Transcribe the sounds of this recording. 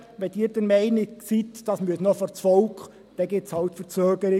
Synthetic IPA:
ʋɛd̥iːɾd̥ɛɾmɛɪnɪsitd̥ɑsmyəsnɔfɔɾt͡sfɔʊkχ | d̥ɛɡɪp̚t͡shɑltfəɾt͡søːɡ̥əɾɪ

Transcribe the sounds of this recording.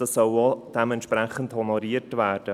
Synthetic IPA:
əsːɔlod̥ɛmɛntʃprɛχən̩thɔnɔɾiːətʋæːrd̥ə

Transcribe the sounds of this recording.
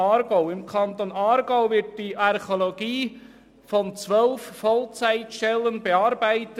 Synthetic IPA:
ɑːɾɡɔʊɪmkʰɑnt̪oːnɑːɾɡ̥ɔʊvɪt̚d̥iʔɑɾχoloɡiː | fɔnt͡sʋœlfːɔlt͡sæɪtʃtɛlːənbeɑːɾbæɪtə

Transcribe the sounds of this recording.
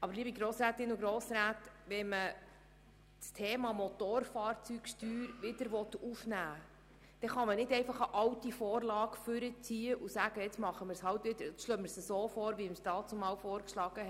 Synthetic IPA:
ʔɑbəɾliəbiɡɾoːsɾæːt̪ɪnuɡɾoːsɾæːtʋɛnmə | stʰeːmɑmɔt̪oːɾfɑːɾt͡sykʃtyːɾʋɪd̪əɾʋɔt̪ufnæː | d̪̥ɛχɑmənɪdɛɪfɑχəʔɑwtifɔːrlɑːɡfʏɾət͡siːəʔusæːɡ̥əjɛt͡smɑχəmɪɾshɑwt̪ʋɪd̪əɾɛt͡sʃlœːmɪɾsəsoːfɔːɾʋiɪmstɑːtt͡somɑːwfɔːɾkʃlɑːɡ̥ə

